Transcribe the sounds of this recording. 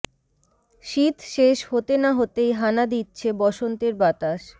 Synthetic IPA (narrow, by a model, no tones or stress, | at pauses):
ʃit̪ʃeʃhot̪enaɦot̪ejɦanad̪itːɕʰebɔʃont̪eɾbat̪aʃ